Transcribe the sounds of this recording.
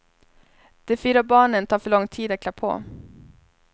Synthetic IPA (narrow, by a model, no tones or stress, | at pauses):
d̪̥ɛfyːɾabɑːɳənt̪ʰɑːɾfœɭɔŋt̪ʰiːd̪at̪kʰlapʰo̰ː